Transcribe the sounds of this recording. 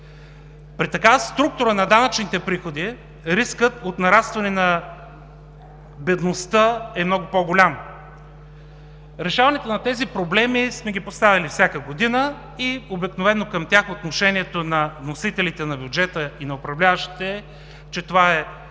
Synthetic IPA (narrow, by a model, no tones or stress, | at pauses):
pɾit̪ɐkavst̪ɾuk̚t̪ʊɾənɐd̪anət͡ʃnit̪ɛpɾixod̪i | ɾiskət̪ot̪nɐɾast̪vɐnɛnɐ | bɛd̪nost̪əɛmnɔɡʊpɔɡolʲamo | ɾɛʃavɐnɛt̪onɐt̪ɛzipɾoblɛmismɛɡʲipost̪avʲɐlifsʲakəɡod̪inə | iobiknovɛnːokɐmt̪ʲjaxot̪noʃɛniɛt̪onɐvnosit̪ɛlit̪ɛnɐbʲjʊd͡ʒɛt̪əinɐopɾɐvlʲavəʃi̥t̪ɛ | t͡ʃɛt̪ovaɛ